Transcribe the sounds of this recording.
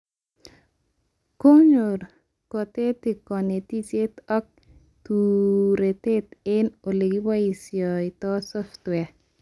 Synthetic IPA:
ko˦ɲo˨ɾ | kɔ˨t̪e˦t̪i˨kɔ˨ne˨t̪i˦t͡ʃe˦t̪ɔ˦k̚ | t̪uɾe˨t̪e˦t̪ɪ˦no˨le˨ɡi˦wa˦i˨sjɔ˨i˨t̪ɔ˦sɔft̪wɛ

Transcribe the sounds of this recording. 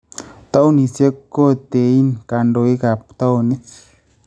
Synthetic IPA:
t̪a˦wnĩ˨se˦kːo˦t̪e˨i˦nka˨nɖo˨i˦ka˨pt̪a˦wni˦s

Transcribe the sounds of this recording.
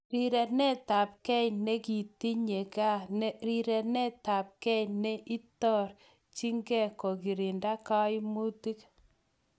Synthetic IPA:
ɾi˨ɾɛ˨nɛ˦ta˨p̚kɛ˦jne˦ki˨ti˦ɲe˨ka˦nɛ˦ɾi˨ɾɛ˨nɛ˦ta˨p̚kɛ˦jnɛ˦ʔi˦tɔ˦˨ɾ | t͡ʃi˦ŋɡɛ˦˨ko˨ki˨ɾi˨nda˦ka˦i˦mu˦ti˦k

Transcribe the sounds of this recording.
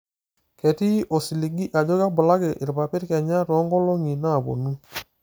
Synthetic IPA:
kɛ˨ti˦ʔɔ˨si˨li˨ɡi˦ʔa˨d͡ʒo˦ɣa˦bʊ˨la˦ɣɪ˨ʔɪ˨ɾpa˨pɪ˦ɾkɛ˨ɲa˦ɾɔ˨˦ŋɡɔ˦lo˦ŋi˨na˦˨βo̰˨nu˦

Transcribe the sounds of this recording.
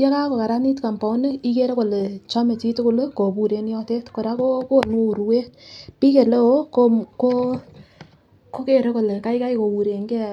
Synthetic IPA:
ja˦ka˦ko˨ka˨ɾa˦ni˦tka˨mpɔ˨˦ne˦i˦ke˦ɾe˦ko˨le˨t͡ʃa˦me˨t͡ʃi˦tu˦kʊ˦lko˨pu˨ɾe˦njɔ˦te˦tko˨ɾa˦ko˦ko˦˨no˦u˨ɾu˦we˦tpi˦ke˨le˦o˦koko˦ | ko˦ke˦˨ɾe˦ko˨le˨ka˦ika˦jko˨wu˨ɾe˨ŋɡe˦

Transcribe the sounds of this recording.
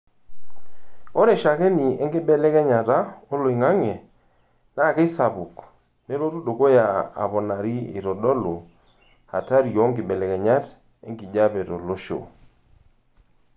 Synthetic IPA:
ɔ˦ɾɛ˨ʃa˨kɛ˦ni˨ɛ˦ŋɡi˦bɛ˦lɛ˦kɛ˦ɲa˨ta˦ɔ˦lo˨i˨ŋa˦ŋɛ˨ | na˦˨kɛ˦sa˨βu˨k | nɛ˦ɾo˦tu˦do˨ko˦ja˨a̰˨βɔ˨na˨ɾi˦ḭ˨ɾɔ˨dɔ˦lo˨ | ha˨ta˦ɾi˨jo˨˦ŋɡɪ˨bɛ˨lɛ˨kɛ˨ɲa˦t | ḛ˦ŋɡi˨d͡ʒa˦pɛ˨tɔ˨lo˦ʃo̰˨

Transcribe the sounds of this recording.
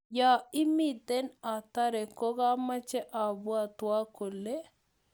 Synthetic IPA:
ja˦ɪ˦mi˦d̪ɛ˦na˨t̪a˦ɾɛ˨ko˦ɡa˦mːa˦t͡ʃɛ˦ʔa˨bu˦a˨t̪wa˦ko˨lːe˦

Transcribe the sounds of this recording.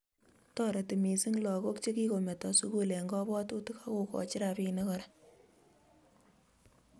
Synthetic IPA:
tɔ˨ɾɛ˨ti˨mi˨si˦ŋlɔ˨ko˦kt͡ʃe˦ki˦ko˨me˨tɔ˨su˦kule˨ŋɡɔ˦bɔ˦tu˦tu˦ka˦ko˨kɔ̰˨t͡ʃɪ˦ɾa˨pi˧ne˦kɔ˨ɾa˦

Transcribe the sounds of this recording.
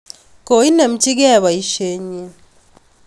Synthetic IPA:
ko˨i˦ne˨m̩˦t͡ʃi˦kɛ˦˨βa˨i˦ʃe˦ɲe˦

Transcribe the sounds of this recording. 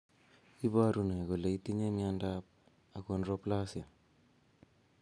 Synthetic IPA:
i˦βa˦ɾuna˨ko˨le˨i˦ti˦ɲe˦miandap̚ | a˨konɾo˦plasja˨

